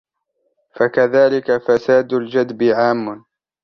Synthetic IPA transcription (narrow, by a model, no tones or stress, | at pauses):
fakaðaːlɪkafasaːd̪ald͡ʒad̪bɪʕaːmːʊ